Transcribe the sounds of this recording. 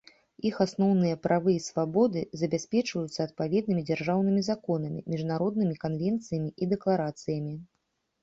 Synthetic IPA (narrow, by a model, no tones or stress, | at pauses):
ixasnɔwnɨjɐpɾʔavɨsvabɔd̪ɨzɐbʲasʲpʲɛt͡ʂvɐjut̪sːɐːt̪̚pavʲɛd̪nɨmʲid͡zʲarʐawnɨmʲizakɔnɐmʲḭmʲiʐnaɾɔd̪nɨmʲikanvʲɛnt̪sɨjɐmʲiʔid̪ɛklˠaɾat̪sɨjɐmʲi